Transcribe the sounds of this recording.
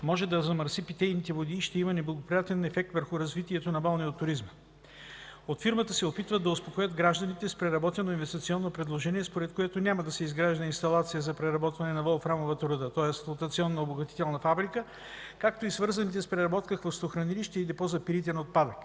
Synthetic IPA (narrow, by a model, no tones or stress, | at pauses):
mɔʒɛd̪ɐzɐmɐɾsipit̪ɛjnit̪ɛvod̪iːʃt̪ɛimənɛblˠɐɡopɾijat̪ɛnɛfɛk̚t̪vəɾxʊɾɐzvit̪iɛt̪onɐbalˠniot̪ːʊɾizmə | ot̪fiɾmət̪əsɛopit̪vəd̪ɐospokojəd̪ɡɾaʒd̪ɐnit̪ɛspɾɛɾɐbɔt̪ɛnoinvɛst̪it̪siɔnːopɾɛd̪lˠoʒɛniɛspoɾɛt̪kojɛt̪onʲaməd̪ɐsɛizɡɾaʒd̪ɐinst̪ɐlˠat̪sijəzɐpɾɛɾɐbɔt̪vɐnɛnɐvɔlˠfɾamovət̪ɾod̪ət̪ɔɛst̪lˠot̪ɐt̪siɔnːɐoboɡɐt̪i̥t̪ɛlˠnɐfabɾikə | kak̚t̪oisvɤɾzɐnit̪ɛspɾɛɾɐbɔt̪̚kəxvəst̪oxɾɐniliʃt̪ɛid̪ɛpɔzɐpiɾit̪ɛnot̪̚pad̪ək